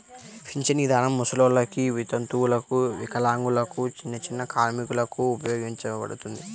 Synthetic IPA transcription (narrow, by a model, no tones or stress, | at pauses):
pʰiɲt͡ʃɐnid̪ʱaːnɐmːusɐloːlɐkiʋit̪ɐnt̪uwulɐkuʋikɐlaːŋɡulɐkut͡ʃinːɐt͡ʃinːɐkaːɾmikulɐkuːpɐjo̞ːɡiɲt͡ʃɐpɐ̰ɽut̪und̪i